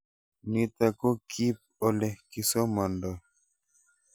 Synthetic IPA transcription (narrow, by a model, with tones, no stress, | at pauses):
mit̪a˨ko˦kʰi˦p̚ɔ˨lɛ˨ki˨sɔ˦ma˨ndɔ˨